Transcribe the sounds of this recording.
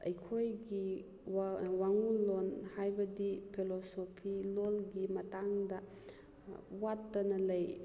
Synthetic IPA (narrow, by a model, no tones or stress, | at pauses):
ɐjkʰojɡi | waŋulɔnhajbɐdipʰilɔsɔpʰilɔlɡimɐtaŋda | watːanɐlɐj